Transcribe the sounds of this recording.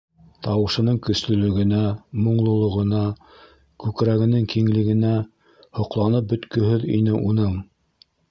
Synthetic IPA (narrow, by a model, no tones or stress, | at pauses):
t̪ʰɑwɤ̆ʃɤ̆nɤɴkɵ̆slɵ̆lɵ̆ɡɘ̆næmŏɴlˠŏlˠŏʁɤ̆nɑ | kʉkɾæɡɘ̆nɘŋkiŋlɘ̆ɡɘ̆næ | hŏqlˠɑnɤp̚bɵ̆t̪kɵ̆ɦɵðḭnɘʔunɤɴ